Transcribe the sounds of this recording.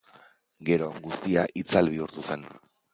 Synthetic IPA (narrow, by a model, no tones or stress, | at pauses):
ɡe̞ɾo̞ɡust̪iaʔit͡salβ̞iuɾt̪use̞n